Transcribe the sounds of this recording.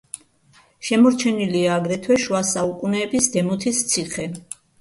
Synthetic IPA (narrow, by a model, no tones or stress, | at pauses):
ʃɛmɔɾt͡ʃʰɛniliaːɡɾɛt̪ʰwɛʃwasaukʼunɛːbisd̪ɛmɔt̪ʰist̪sʰiχɛ